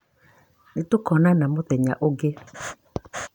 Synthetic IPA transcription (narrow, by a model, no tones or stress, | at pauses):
netokɔnanamoðɛɲaʔoɡe